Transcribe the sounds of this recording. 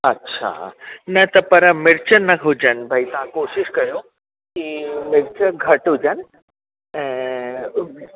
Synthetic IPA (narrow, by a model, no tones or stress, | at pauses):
ɐtːɕʰa̰nɐt̪ɐpɐɾəmɪɾt͡ɕənɐkɦud͡ʑənbʱait̪ãkoʃɪʃkɐjo | kimɪɾt͡ɕəɡʱɐʈud͡ʑən | ɛ̃